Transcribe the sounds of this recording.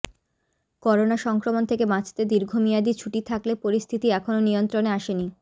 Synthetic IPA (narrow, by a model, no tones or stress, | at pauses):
kɔɾonaʃɔŋkɾomont̪ʰekebãt͡ɕʰt̪ed̪iɾɡʱomijad̪it͡ɕʰuʈit̪ʰaklepoɾist̪ʰit̪iɛkʰononijont̪ɾoneaʃeni